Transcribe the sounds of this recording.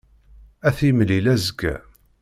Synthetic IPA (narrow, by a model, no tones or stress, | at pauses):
æθimlilæzəɡæ̰